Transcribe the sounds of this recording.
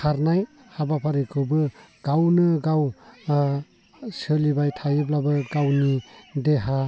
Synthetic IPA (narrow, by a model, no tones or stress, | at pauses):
kʰaɾnaj | habapʰaɾikʰɯbɯɡ̥awnɯɡaw | sɯlibajtʰajiblabɯɡawnideɦa